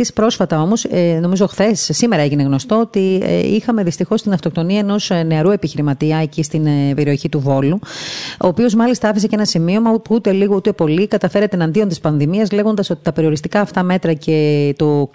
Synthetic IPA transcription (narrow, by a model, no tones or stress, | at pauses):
ispɾo̞sfɐt̪ɐo̞mo̞sno̞mizo̞xθe̞sːime̞ɾɐeʝine̞ɣno̞st̪o̞ot̪ḭixɐme̞ðist̪ixo̞st̪inɐft̪o̞k̚t̪o̞niɐeno̞sne̞ɐɾue̞piçiɾimɐt̪iɐecist̪inpe̞ɾio̞çit̪uvo̞luo̞ːpio̞zmɐlist̪ɐɐfisecenɐsimio̞mɐupuut̪e̞liɣout̪e̞po̞likɐt̪ɐfe̞ɾet̪eːnɐnd̪io̞nt̪ispɐnðimiɐzle̞ɣo̞nd̪ɐso̞t̪i̥t̪ɐpe̞ɾio̞ɾist̪ikɐːft̪ɐme̞t̪ɾɐce̞t̪o